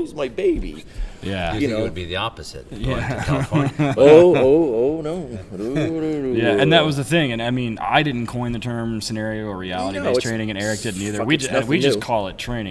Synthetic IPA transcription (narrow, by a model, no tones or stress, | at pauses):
zmaɪbeɪbḭjæwɨd̚biðiɑpɨz̥ɪ̰t̚jæ | oʊoʊoʊnoʊ | jæɨ̃nðɨt̚wʌzðɨθɪ̃ŋɨ̃naɪmĩna̰ɪdɪdⁿn̩kʰɔ̃ɪ̃nðɨtʰɜ̃˞msɨnɛɹioʊə˞ɹiælˠəɾiʌ̥ɹ̥ẽɪ̃nɪ̃ŋɨ̃ñɛɹɨk̚d̥ɪdⁿn̩iðə˞wid͡ʒɨ̃wid͡ʒʌskʰɔlˠɪtʰɹ̥ẽɪ̃nɪ̃